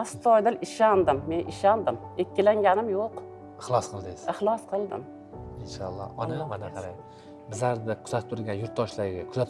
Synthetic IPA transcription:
ast̪ʰɒjd̪ɪlɪʃand̪ɪmːe̞nɪʃand̪ɪm | ekʲːɪlaŋɡʲanɪmjoq | ɪχlˠɒsqʰɨlˠd̪ɪsɪχlˠɒsqʰɨlˠd̪ɪ̰m | ɪnʃɑ̰lˠːɒ̰ɒnamanaqʰɑɾaj | bɪzaɾd̪ɪkʲʰʊzat̪ɪ̥t̪ʰʊɾlɡʲanjʊɾt̪ʰːɒʃlaɾɡʲakʲʰʊzat̪ʰ

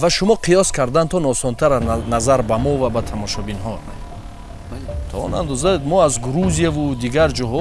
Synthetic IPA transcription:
vaʃumɔqʰijɔskʰaɾd̪ant̪ʰɔnɔsɔnt̪ʰaɾanazaɾbamɔvabat̪ʰamɔʃɔbinɦɔ | t̪ʰɔɔ̰na̰nd̪ɔzamɔazɡuɾuzijavud̪iɡaɾd͡ʒɔɦɔ

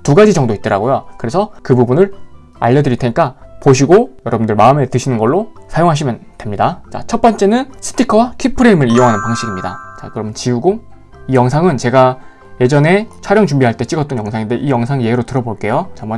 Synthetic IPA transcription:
tuɡad͡ʑid͡ʑʌŋdoit̚t͈ʌɾa̰ɡojokɯɾe̞sʰʌkɯbubunɯɭ | a̰ʎːʌdɯɾitʰeɲik͈apoɕ̬ʰiɡojʌɾʌbundɯɭmaɯme̞tɯɕʰinɯnɡʌɭːosʰajoŋɦaɕ̬ʰimjʌntwe̞mɲidat͡ɕa̰t͡ɕʰʌt̚p͈ʌnt͡ɕ͈e̞nɯnsʰɯ̥tʰikʰʌwakʰipʰɯɾe̞mɯɾijoŋɦanɯnpaŋɕʰiɡimɲida̰t͡ɕa̰kɯɾʌmnt͡ɕiuɡo | ijʌŋsʰaŋɯnt͡ɕe̞ɡa | je̞d͡ʑʌne̞t͡ɕʰaɾjʌŋt͡ɕumbiɦaɭt͈e̞t͡ɕ͈iɡʌt͈ʌnjʌŋsʰaŋinde̞ʔijʌŋsʰaŋje̞ɦeɾotɯɾʌboɭk͈e̞jot͡ɕamʌ

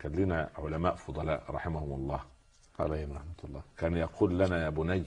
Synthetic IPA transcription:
kænliːnæʕʊlæmæːʔfʊd̪ˤɑlæ̰ːʔɾˤɑ̰ħɪmæhʊmɑlˤːɑː | ʕa̰læːhɪmɾˤɑħmat̪lˤːɑːkæːnjɑquːlːænæjæːbʊnæj

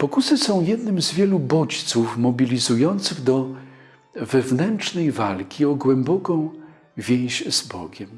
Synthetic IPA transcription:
pɔkusɘsɔ̃w̃jɛd̪nɘmzvʲjɛlubɔt͡ɕt̪sufmɔbʲilʲizujɔnt̪sɘɣd̪ɔ | vɛvnɛnt͡ʂnɛjvalkʲiɔɡwɛmbɔkɔ̃w̃ | vʲjẽj̃ɕzbɔ̰ɡʲɛm

